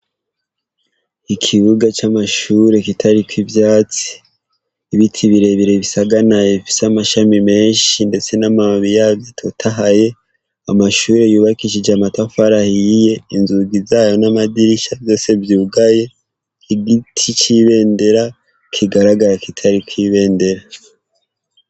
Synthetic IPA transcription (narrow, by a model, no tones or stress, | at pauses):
ikʰiβuɡat͡ʃamaʃuːɾe̞kitʰaɾikwivjaːt͡si̥ː | βitʰiβiɾe̞βiɾe̞βisaɡanajefi̥samaʃamime̞ːnʃinde̞t͡se̞namaβijaɡitʰotʰaɦaje̞ | amaʃuːɾe̞juːβakiʃid͡ʒamatafaɾahije̞inzuɡizaːjo̞namadiɾiʃavjo̞ːse̞vjuːɡaje̞ | kiɡitʰit͡ʃiβe̞ːnde̞ɾa | kʰiɡaɾaɡaɾakitʰaɾikwiβe̞ːnde̞ɾa